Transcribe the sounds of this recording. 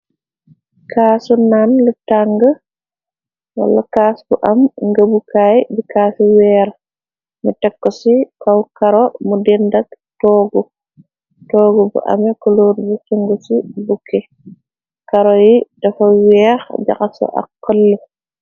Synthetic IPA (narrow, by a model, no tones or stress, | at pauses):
kʰaːsunanlutaŋɡə | wa̰lːakaːsbuʔamŋɡabukaːjbikaːsiwɛːɾ | mutɛkːɔsikawkaɾɔmudɛndaɡ̚ | tɔːɡɔ | tɔːɡɔbṵʔa̰mɛkɔloːɾbusiŋɡusibukʰːɛ | kaɾɔjid̥ɐfawɛːxd͡ʒa̰xasɔ̰ʔa̰qːəlːu